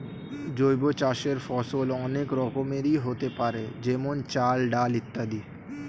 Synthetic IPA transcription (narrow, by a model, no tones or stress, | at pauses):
d͡ʒojbot͡ɕaʃeɾfɔsolɔnekɾɔkomeɾiɦot̪epaɾed͡ʒemont͡ʃalɖalit̪ːad̪i